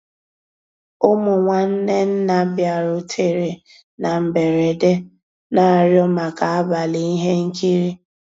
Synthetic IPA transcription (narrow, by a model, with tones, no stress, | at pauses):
ʊ˦mʊ˨ŋʷa˨n̩˦ne˦n̩˦na˨bja˨ɾʊ˨tʰe˦ɾe˨ | na˨m̩˨be˨ɾe˨de˦ | na˦˨ɾjɔ˦ma˨ka˨a˦ba˨li˦i˦ɦe˦ŋ̩˦ki˦ɾi˦